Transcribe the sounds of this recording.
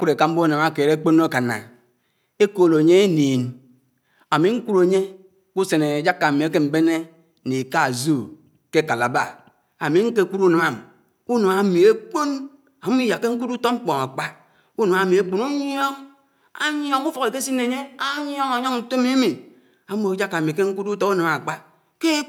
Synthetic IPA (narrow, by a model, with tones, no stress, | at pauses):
ku˦ɾe˨ka˦m̩˦bo˦˨na˨ma˨ke˨ɾe˦k͡po˦nː˦o˦ka˨na̰˨ | e˦ko˨lo˨ɲe˦e˦niː˨n | a˨mi˨ŋ̩˦ku˦ɾo˨ɲe˦ | ku˦se˨ne˨d͡ʒa˦kːa˨mi˨e˦ke˦m̩˦be˦ne˦ | ni˨ka˦˨zo˦˨ | ke˦ka˨la˨ba˦˨ | a˨mi˨ŋ̩˦ke˦˨ku˦ɾu˦nɨ˨ma˨m˨ | u˦no˨ma˨mi˨e˦k͡po˦n | a˨˦i˦ja˨kːe˦ŋ̩˦ku˦du˦to˦ŋ͡m̩˦k͡pɔ˨ŋa˨k͡pa˦ | u˦no˨a˨mi˨e˦k͡pu˨nu˦ɲ˦o˦ŋ | a̰˦ɲ˦o˦ŋu˦fo˨ke˨ke˦si˦nːe˨ɲe˦a˦ɲ˦o˦ŋa˨ɲo˦ŋn̩˨to˦mi˦mi˨ | a˨˦mo˨˦d͡ʒa˦kːa˨mi˨ke˦ŋ̩˦ku˦tu˦tɔ˦u˦nɨ˨ma˨k͡pa˦ | ke˦